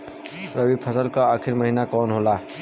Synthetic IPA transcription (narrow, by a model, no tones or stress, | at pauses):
ɾəwipʰəsəlkaaːkʰiɾməɦinakɔːnɦola